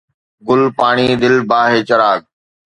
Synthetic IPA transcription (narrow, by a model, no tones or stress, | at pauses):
ɡʊlpaːɳ̃iːd̪ɪlbaːɦeːt͡ʃɐɾaːɡ̚